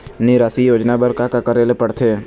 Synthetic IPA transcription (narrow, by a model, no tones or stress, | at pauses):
nɪɾaːsijoːd͡ʒnabəɾkakakəɾelepəɽt̪ʰeː